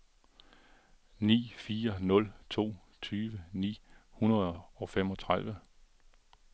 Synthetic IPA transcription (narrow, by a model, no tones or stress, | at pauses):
nḭːfiːɐnɔ̽lt͡sʰo̝̰ː | t͡sʰyːʋənḭːhunɐðˠɒ̽fem̰ɒ̽t͡sʰʁaðˠʋə